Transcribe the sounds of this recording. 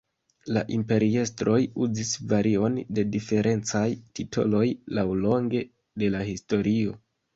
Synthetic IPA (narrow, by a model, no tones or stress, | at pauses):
la̰ʔimpe̞ɾie̞stɾo̞juzisvaɾʔio̞nde̞dife̞ɾʔe̞nt͡sajtitʰo̞̰lo̞jlawlo̞ŋɡe̞ | de̞lahisto̞ɾio̞